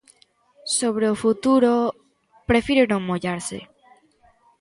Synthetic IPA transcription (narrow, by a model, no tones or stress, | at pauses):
soβ̞ɾeofut̪uɾo | pɾe̞fiɾenõŋmoʎaɾsḛ